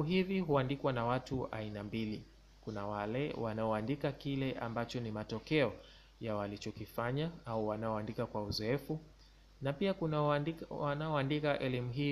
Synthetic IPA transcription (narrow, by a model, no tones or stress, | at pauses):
uɦiviɦuandikwanawatua̰inambili | kunawalɛwanaɔandikakilɛʔa̰mbat͡ʃɔnimatɔkɛɔ | jawalit͡ʃɔkifaɲaauwanaɔandikakwauzɔɛfu | napiaku | wanaɔandikaʔɛlimuɦiː